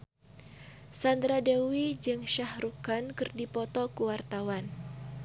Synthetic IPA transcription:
sand̪ɾadewid͡ʒɨŋʃahɾukankɨrdipɔt̪ɔkuwart̪awan

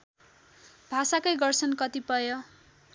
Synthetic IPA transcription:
bʱasakʌjɡʌrt͡sʰʌnkʌt̪ipʌjo

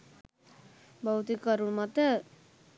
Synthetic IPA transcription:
bəwt̪ikəɾumat̪ə

